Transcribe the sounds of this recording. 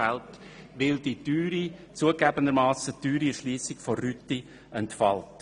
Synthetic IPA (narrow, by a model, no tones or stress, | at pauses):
ælt | ʋɪldityːɾit͡suəɡæbəndəɾmɑːsətyːɾiəɾʃliːsɪkforyti | ʔɛntfɑlt